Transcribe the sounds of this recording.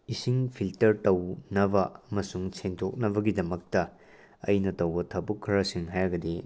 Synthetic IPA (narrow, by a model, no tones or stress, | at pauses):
isiŋpʰiltɐɾtɐwnɐbɐɐmɐsuŋsʰentʰok̚nɐbɐɡidɐmɐk̚tɐ | ɐ̰jnɐtɐwbɐtʰɐbukʰːɐɾɐsiŋɦajɡɐde